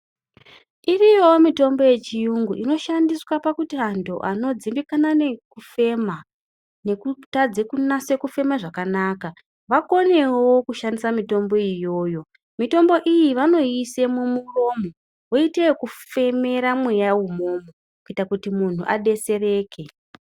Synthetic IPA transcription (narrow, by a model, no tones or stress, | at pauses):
irijomito̞mbo̞je̞t͡ʃijuŋɡuʔino̞ʃandiswapakutiantʰo̰ʔano̞d͡zimbikanane̞kufe̞ma | ne̞kutad͡zekunase̞kufe̞maʐakanaːka | ʋako̞ne̞wokuʃandisamito̞mbo̞ijo̞ːjo̞ | mito̞mbo̞ʔijiʋano̞ise̞mumuro̞ːmo | woitewokufe̞me̞ɾamwe̞jawumo̞mo | kuitakutimun̤uʔaɗe̞se̞re̞ːkʰe̞